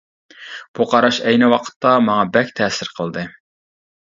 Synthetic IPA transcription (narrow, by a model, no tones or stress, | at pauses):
b̥uqʰɑɾɑʃɛjnɪwɑqʰə̥t̪ːɑmɑŋɑbɛkʲt̪ʰɛːsɪɾqʰəlˠd̪ɨ